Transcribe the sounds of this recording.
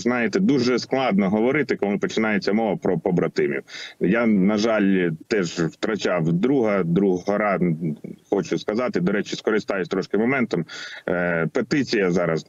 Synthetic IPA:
znɑjɪt̪ɛd̪uʒɛsklˠɑd̪nɔɦɔʋɔɾɪt̪ɪkɔlˠɪpɔt͡ʃɪnɑjet͡sʲːɐmɔʋɐpɾɔpɔbɾɐt̪ɪmʲḭwjanɐʒɑlʲt̪ɛʒwt̪ɾɐt͡ʃɑwd̪ɾuɦɐd̪ɾuɦɦɔɾɑ | xɔt͡ʃʊskɐzɑt̪ɪd̪ɔɾɛt͡ʃɪskɔɾɪst̪ɑjʊsʲt̪ɾɔʃkɪmɔmɛnt̪ɔm | pet̪ɪt͡sʲijɐzɑɾɐz

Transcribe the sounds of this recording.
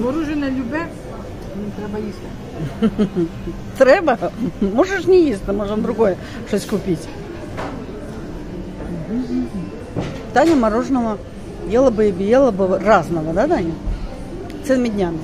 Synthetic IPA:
mɐɾuʐɨnəlʲʊbʲɛ | nʲt̪ɾɛbɐjist̪ə | t̪ɾɛbəmoʐɨʂnʲɪjist̪ɨmoʐənd̪ɾʊɡo̞jə | ʂosʲkʊpʲitʲ | m̩ɦ̩ | t̪anʲɪmɐɾoʐnəvə | jelˠəbɨɪbɪjelˠəbɨraznəvəd̪at̪anʲɪ | t̪ɛlˠəmʲɪdʲnʲamʲɪ

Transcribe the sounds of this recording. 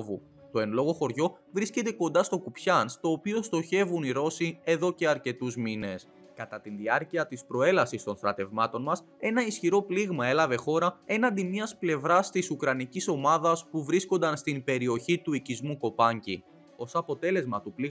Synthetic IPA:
vu | t̪o̞e̞nlo̞ɣo̞xo̞ɾʝo̞vɾisce̞t̪e̞ko̞nd̪ɐst̪o̞kupçɐnst̪o̞ːpio̞st̪o̞çe̞vuniɾo̞sie̞ðo̞ce̞ɐɾce̞t̪uzmine̞s | kɐt̪ɐt̪inðiɐɾciɐt̪ispɾo̞e̞lɐsist̪o̞nθɾɐt̪e̞vmɐt̪o̞nmɐs | e̞nɐisçiɾo̞pliɣmɐe̞lɐve̞xo̞ɾɐe̞nɐnd̪imɲɐsple̞vɾɐst̪isukɾɐniciso̞mɐðɐspuvɾisko̞nd̪ɐnst̪imbe̞ɾio̞çit̪uicizmuko̞pɐɲci | o̞sɐpo̞t̪e̞le̞zmɐt̪upli

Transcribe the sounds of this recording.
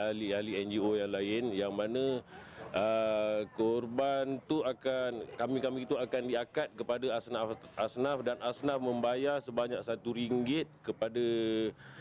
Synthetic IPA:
alialiɛnd͡ʒiojaŋlaɪnjaŋmãnã | əkɔrbant̪uakankamĩkamit̪uakandiakat̪̚kəpadaasnafasnafdanasnafmə̃mbajarsəbaɲak̚sat̪uɾiŋɡɪt̪̚kəpada

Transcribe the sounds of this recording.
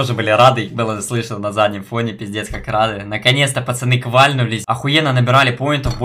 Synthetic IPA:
oʐɨbɨlʲɪɾad̪ɨbɨlˠəslˠɨʂənənɐzad̪ʲnʲɪmfo̞nʲɪpʲɪzʲdʲesʲkakɾad̪ɨnəkɐnʲet̪st̪əpət̪sɨnɨkvalʲnʊlʲɪsʲɐxʊjenənəbʲɪɾalʲɪpojɪnt̪əvbo

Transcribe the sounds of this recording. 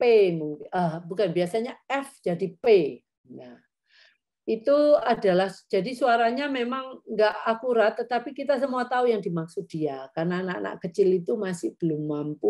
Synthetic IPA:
pemuŋkʔəhbukanbiasaɲaɛfd͡ʒadipe | ja | it̪uadalahd͡ʒadisuaɾaɲamemaŋŋɡaʔakuɾat̪ːət̪apikit̪as̬əmuat̪aujaŋdimaksʊt̪̚d̥iakarnaːna̰ʔna̰ʔkət͡ʃɪlit̪umasɪhb̥əlʊmːampu

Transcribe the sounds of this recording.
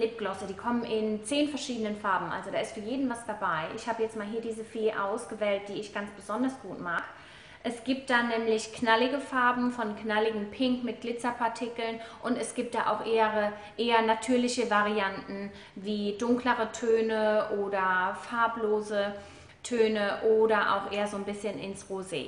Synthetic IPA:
lɪp̚ɡ̥lɔsədiːkʰɔmənʔɪnt͡seːnfɛɐʃiːdənənfaɐbm̩ʔa̰lzodaːɪstfyːɐjeːdn̩vasd̥abaɪʔɪ̰çhaːbəjɛt͡stmaːlɦiːɐdiːzəfeːʔa̰ʊsɡ̥əvɛːlt̚d̥iːɪçɡ̥ant͡sb̥əzɔndɐsɡ̥uːtmaːk | ʔɛsɡ̥iːp̚t̚d̥anɛːmlɪçknalɪɡəfaɐbm̩fɔnknalɪɡŋ̩pʰɪŋkmɪt̚ɡ̥lɪt͡sɐpʰaɐtʰɪkl̩nʔʊntɛsɡ̥iːp̚td̥aːʔa̰ʊxʔeːəʁə | ʔeːɐnatʰyːɐlɪçəvaʁiantn̩ | viːdʊŋkləʁətʰøːnəʔoːdɐfaɐploːzə | tʰøːnəʔoːdɐʔa̰ʊxʔeːɐzoːnbɪsçənɪnsʁozḛː

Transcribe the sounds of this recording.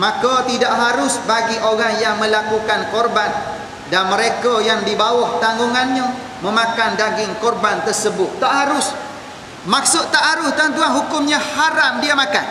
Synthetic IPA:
mãkat̪idaʔɦaɾʊsbaɡiʔoɾaŋjaŋmə̃lakukankɔrban | danməɾekajaŋdibawɔht̪aŋɡuŋanɲə̃ | mə̃makandaɡɪŋkɔrbant̪ərsəbʊt̪ːaʔhaɾʊs | maksʊt̪t̪ːaʔɦaɾʊst̪ant̪uanɦukʊmɲãhaɾamdiamãka̰n

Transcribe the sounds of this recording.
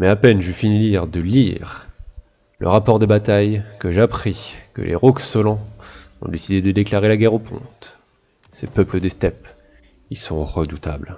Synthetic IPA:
mɛapɛnʒyfiniliʁd̪əliʁ | lə̰ʁapɔʁd̪ebat̪ajkəʒapχikə̰lʔḛʁɔksɔlɑ̃ | ɔ̰̃d̪esid̪ed̪əd̪eklaʁelaɡʲɛʁopʰɔ̰̃t̪ | sepœpləd̪est̪ɛp | ilsɔ̃ʁəd̪ut̪a̰bl

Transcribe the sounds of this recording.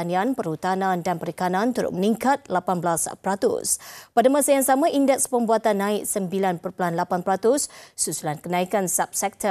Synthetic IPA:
anianpəɾhut̪anãndanpəɾikanant̪uɾʊ̰k̚məniŋkat̪̚lapanbəlaspɾat̪ʊ̰spadamãsajaŋsamãʔindɛk̚spəmbuat̪anːãɪk̚səmbilanpərpəlanlapanpəɾat̪ʊssusulankənãikansap̚sɛk̚t̪ʰə

